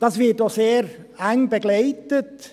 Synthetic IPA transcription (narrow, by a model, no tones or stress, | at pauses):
d̥̪ɑsʋitoseːɾæŋbəɡleɪt̪ət̪